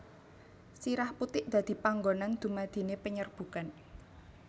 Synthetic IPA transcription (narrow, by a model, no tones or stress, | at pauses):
siɾahput̪ɪʔd̪̥a̤d̪̥i̤paŋɡonand̪̥ṳmad̪̥i̤nepəɲərb̥ṳkan